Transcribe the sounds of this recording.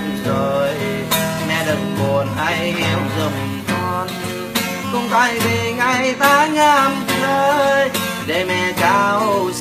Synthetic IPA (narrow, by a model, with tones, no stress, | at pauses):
zo˨˩j | mɛ˧˩ɗə˨˩ŋmo˨˩ənʔa˧˩jʔɛ˧˦wzə˨˩ŋ͡m̚ | kɔ˧n | kʊ˧ŋ͡mt̪a˧˩jve˨˩ŋa˧˩jt̪ʰaː˧˦ɲaː˧mtəː˧j | ɗe˧˩mɛ˧˩t͡ɕaː˧ws